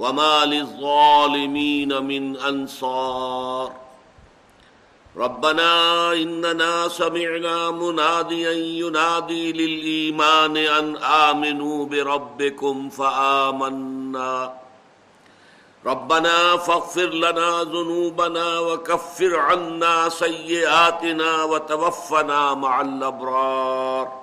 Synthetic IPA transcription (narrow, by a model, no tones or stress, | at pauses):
wamaːlɪðˤːɑːlɪmiːnamɪnʔansɑːɾˤ | ɾˤɑbːanaːʔɪnːanaːsamɪʕnaːmʊnaːd̪ɪjanjʊnaːd̪iːlɪlʔiːmaːnɪʔanʔaːmɪnuːbɪɾˤɑbːɪkʊmfaʔaːmanːaː | ɾˤɑbːanaːfaɣfɪɾlanaːzʊnuːbanaːwɐkafːɪɾʕanːaːsɐjːɪʔaːt̪ɪnaːwɐt̪awafːanaːmaʕalʔabɾˤɑːɾˤ